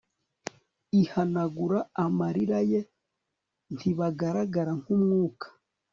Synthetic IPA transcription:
ihanaɡuɾaːmaɾiɾaje | ntʰiβaɡaɾaɡaɾaŋkumŋuːkḁ

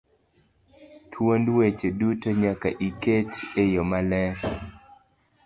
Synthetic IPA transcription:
t̪ʰwondwet͡ʃedutoɲaka̰ʔiket͡ʃejɔmalɛɾ

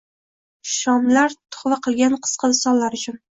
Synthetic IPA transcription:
ʃɒmlaɾt̪ʰʊ̥χvaqʰɨlˠɡʲanqʰɨ̥sqʰɑd̪ɪsɒnlaɾʊt͡ʃʰʊn

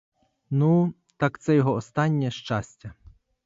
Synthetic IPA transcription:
nu | t̪ɑkt̪sɛjɔɦɔɔst̪ɑnʲːɛʃt͡ʃɑsʲtʲɐ

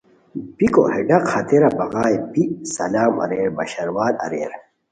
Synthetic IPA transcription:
biko̰heɖɐqhɐt̪eɾɐbɐɣaːjpisɐ̰laːmɐ̰ɾeːɾbɐ̰ɕɐɾwaːd̪ɐ̰ɾḛːɾ

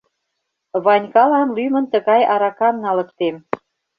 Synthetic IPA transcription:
βɑnʲkɑlɑnlymə̆nt̪ə̆ɣɑjɑɾɑkɑmnɑlə̆kt̪em

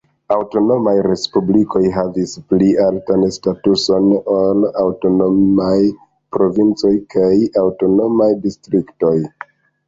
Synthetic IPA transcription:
awto̞no̞majɾe̞spubliko̞jɦavisplialtanstatuso̞nolawto̞no̞maj | pɾo̞vint͡so̞jkʰajawto̞no̞majdistɾikto̞j

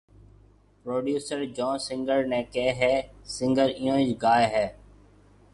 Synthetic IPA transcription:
pɾoːɖjuːsəɾd͡ʒɔ̃ːnsɪ̃ŋɡəɾnɛ̃ːkeːɦɛːsɪ̃ŋɡəɾɪjõːd͡ʒɡaːeɦɛː

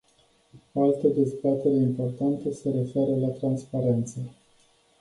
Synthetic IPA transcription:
oalt̪əd̪e̞zbat̪e̞ɾʲimpo̞rt̪ant̪əse̞ɾe̞fe̞ɾəlat̪ɾanspaɾe̞nt̪sə

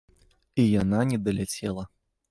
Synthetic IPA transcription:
ijananʲɛd̪ɐlʲat͡sʲɛlˠɐ

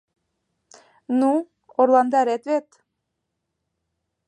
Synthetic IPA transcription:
nu | orlˠɑnd̪ɑɾet̪βet̪

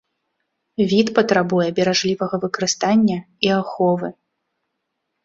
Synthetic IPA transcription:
vʲit̪pɐt̪ɾabujɛbʲɛɾaʐlʲivɐɣɐvɨkɐɾɨst̪anʲːɐ | iaxɔvɨ

